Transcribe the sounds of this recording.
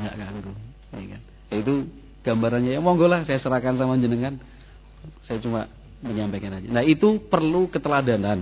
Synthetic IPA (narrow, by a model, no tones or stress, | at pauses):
ŋɡaʔkaŋɡu | jakan | ait̪u | ɡ̥ambaɾanɲajamɔŋɡolahsajasəɾahkansamaɲd͡ʒənəŋan | sajat͡ʃuma | məɲampajkanad͡ʒanahit̪upərlukət̪əladanan